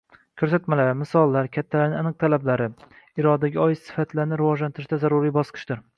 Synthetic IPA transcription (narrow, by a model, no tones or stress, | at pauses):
kʲʰɵɾs̬at̪malaɾmɪsɒlˠːaɾkʲʰat̪ʰːalaɾnɪŋanɨq̚t̪ʰalablaɾɪ | ɪɾɒd̪aɡʲɪɒjɪsɪ̥fat̪laɾnɪɾɪvɒʒlant̪ʰɪɾɪʃd̪azaɾʊɾijbɒsqʰɨ̥ʃd̪ɪɾ